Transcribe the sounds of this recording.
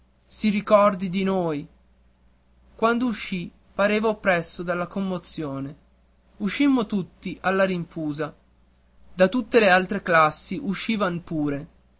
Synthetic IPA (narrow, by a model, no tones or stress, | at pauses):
siɾikɔrd̪id̪inoːj | kwand̪ouʃːi | paɾeːvaopːɾɛsːod̪alːakomːot̪sːjoːne | uʃːimːot̪ut̪ːiʔalːaɾiɱfuːza | d̪at̪ut̪ːelealt̪ɾeklasːiʔuʃːiːvanpuːɾe